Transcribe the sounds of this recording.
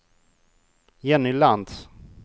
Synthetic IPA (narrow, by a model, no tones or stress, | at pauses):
jɛnɪland̪s